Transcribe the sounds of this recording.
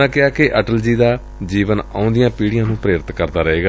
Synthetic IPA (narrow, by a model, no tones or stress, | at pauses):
ãːkɪaːkɪʔəʈəld͡ʒiːd̪aː | d͡ʒiːʋəna̰ːʊ̃nd̪ɪjãːpiːɽɪjãːnũːpɾeːɾɪt̪kəɾd̪aːɾəeːɡaː